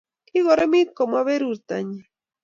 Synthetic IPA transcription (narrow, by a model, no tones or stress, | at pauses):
kiɣoɾemit̪̚komaβeɾuɾt̪a̰ɲa